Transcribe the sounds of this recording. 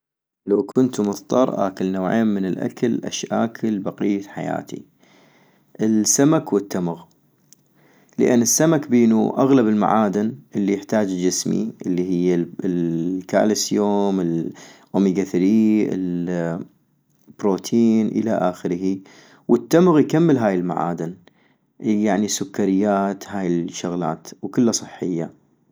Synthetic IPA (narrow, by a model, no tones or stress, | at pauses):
lawkʰʊnt̪mʊðt̪ˤɑɾˤʔa̰ːkɪlnawʕḛːmmɪnɪlʔa̰kalʔa̰ʃʔa̰ːkʰɪlbaqijːat̪ħaja̰ːt̪ḭ | ʔɪlsːamakwɪt̪ːamɣ | lə̰ʔɪ̰nːɪsːamakbiːnṵʔaɣlabɪlma̰ʕaːd̪ɪnʔɪlːijɪħt̪aːd͡ʒd͡ʒɪsmḭʔɪlːiɦɪjːa | ka̰ːlɪsjoːmɪlʔʊmiɡaθɾiʔɪ̰l | b̥ɾoːt̪ʰiːnʔə̰laʔaːxɪɾhi | wət̪ːamɣjkamːəlɦaːjɪlma̰ʕa̰ːd̪ɪn | jaʕnisʊkːaɾɪjːaːt̪haːjɪʃːʊɣla̰ːt̪wkɪlːasˤɨħːɪjːa